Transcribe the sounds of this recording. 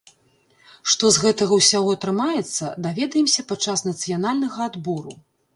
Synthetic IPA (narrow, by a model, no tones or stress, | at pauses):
ʂt̪ɔzɣɛt̪ɐɣɐwsʲaɣɔɐt̪ɾɨmajɛt̪sːɐd̪avʲɛd̪ɐjɛmsʲɐpat̪t͡ʂːasnɐt̪sɨjanalʲnɐɣɐad̪bɔɾu